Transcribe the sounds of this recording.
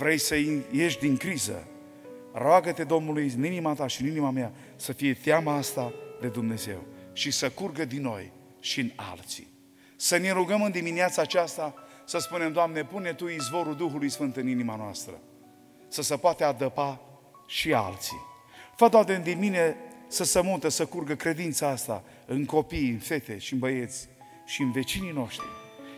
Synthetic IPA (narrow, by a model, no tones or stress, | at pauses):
vɾe̞jsəije̞ʃd̪iŋkɾizə̰ | roaɡət̪e̞d̪o̞mnulujɨninimat̪aʃiɨninimamea | səfije̞t̪eamaast̪ad̪e̞d̪umne̞ze̞̰wʃisəkurɡəd̪ino̞̰j | ʃina̰lt̪si̥̰ | səneɾuɡəmɨnd̪iminiat̪saːt͡ʃast̪a | səspune̞md̪oamne̞pune̞t̪uizvo̞ɾuld̪uxulujsfɨnt̪ɨninimanoa̰st̪ɾə̰ | səsəpoat̪ead̪əpa | ʃia̰lt̪sḭ | fad̪ad̪end̪inmine̞səsəmut̪əsəkurɡəkɾe̞d̪int̪saast̪a̰ | ɨnko̞pijɨnfe̞t̪e̞ʃiɨnbəje̞t̪sʲ | ʃiɨnve̞t͡ʃinino̞ʃt̪ɾḭ